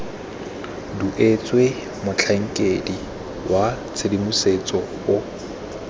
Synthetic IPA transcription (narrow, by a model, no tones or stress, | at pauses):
duʔet͡sʼwe | mʊt͡ɬʰaŋ̩kʼedi | wa | t͡sʰedimuset͡sʼɔ | ʊ